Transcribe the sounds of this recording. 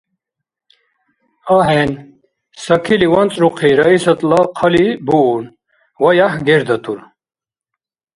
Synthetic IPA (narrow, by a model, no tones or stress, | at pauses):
aːɦen | sɐkʰiliwɐnt͡sʼɾuqʰiɾɐisɐt̪lɑqʰɐlibun | wɐjahɡeɾd̪ɐt̪uɾ